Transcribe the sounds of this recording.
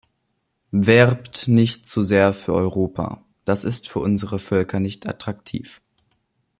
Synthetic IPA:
vɛʁptnɪçtt͡suzeːɐfyːɐʔɔʏʁoːpʰa̰ | d̥asɪstfyːɐʔʊnzəʁəfœlkʰɐnɪçtʰʔa̰tʁ̥ak̚tʰḭːf

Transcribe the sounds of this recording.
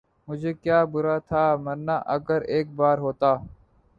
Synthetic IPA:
mʊd͡ʒʱeːkjaːbʊɾaːt̪ʰaːməɾnaːʔəɡəɾeːk̚baːɾɦoːt̪aː

